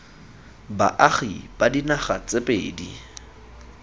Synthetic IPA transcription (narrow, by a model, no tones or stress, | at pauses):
ba̰ʔaχib̥adinaχa̰t͡sʼepʼeːdi